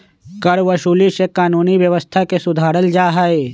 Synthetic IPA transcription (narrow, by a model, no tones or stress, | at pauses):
kɐɾʋɐʃuːliʃekaːnuːniʋjəʋəst̪ʰakesʊd̪ʱaːɾəld͡ʒaːɦae